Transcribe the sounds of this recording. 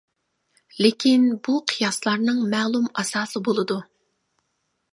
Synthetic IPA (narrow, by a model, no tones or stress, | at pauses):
lekʲinbuqʰijɑslˠɑɾnɨŋmælˠumɑsɑːsɨbolˠɨd̪u